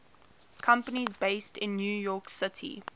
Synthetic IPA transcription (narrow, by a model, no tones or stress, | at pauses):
kʰʌ̃mpənizbeɪstɪ̃nːjuːjɔːˑksɪtʰḭ